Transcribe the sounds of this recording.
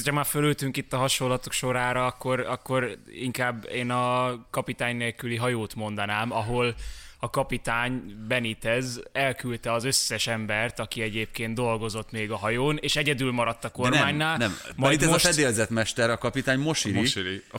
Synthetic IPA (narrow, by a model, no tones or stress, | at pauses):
ɒmaːfølølt̪yŋkit̪ːɒɦɒʃolːɒt̪o̞kʃo̞ɾaːɾɒɒkːo̞ɾɒkːo̞ɾiŋkaːbːeːnɒkɒpit̪aːɲneːlkyliɦɒjoːt̪mo̞nd̪ɒnaːmɒɦo̞lɒkɒpit̪aːɲbɛnit̪ɛzɛlkylt̪ɛɒzøsːɛʃɛmbɛrt̪ɒkiɛɟeːp̚keːnt̪o̞lɡo̞zo̞t̪meːɡɒɦɒjoːneːʃɛɟɛd̪ylmɒɾɒt̪ːɒko̞rmaːɲːaːlnɛmmjit̪ɛmozʃfɛd̪eːlzɛt̪mɛʃt̪ɛɾɒkɒpit̪aːɲmoʃiɾii